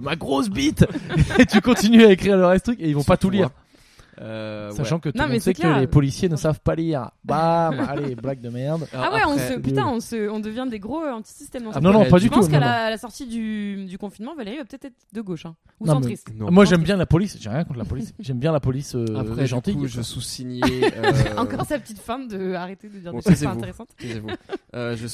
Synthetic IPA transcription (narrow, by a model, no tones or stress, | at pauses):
maɡʁos̬bit̪et̪ykɔ̃t̪inyaekχiʁləʁɛst̪χykeilvɔ̃pat̪uliʁ | øssaʃɑ̃kət̪sɛkkəlepɔlisjenəsavpaliʁbamaleblaɡ̚d̪əmɛʁd̪awɛɔ̃əpyt̪ãɔ̃səɔ̃d̪əvjɛ̃d̪eɡʁoɑ̃t̪i̥sist̪ɛmd̪ɑ̃snɔ̃nɔ̃pad̪ytp̪unɔ̃nlaːlasɔʁt̪id̪yd̪ykɔ̃finmɑ̃valeʁivapə̥t̪ɛt̪χɛt̪d̪əɡoʃɛ̃ | uñmɛisñmwaʒɛmbjɛ̃lapɔlisʒɛʁjɛ̃kɔ̃t̪lapɔlisʒɛmbjɛ̃lapɔlisøɛʒɑ̃t̪ijʒsusiɲe | ɑ̃kɔʁsapət̪it̪fãd̪əaʁet̪ed̪əd̪iʁeɛt̪eʁesɑ̃t̪evøʒə